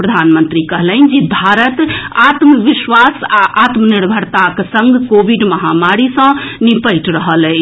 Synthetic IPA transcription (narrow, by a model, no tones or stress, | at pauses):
pɾəd̪ʱanmənt̪ɾikəɦlənd͡ʒibʱaɾət̪at̪məʋisʋasaʔat̪məniɾbʱəɾt̪akesə̃ŋɡkobiɖməɦamaɾisə̃nipəjʈɾəɦəlɛ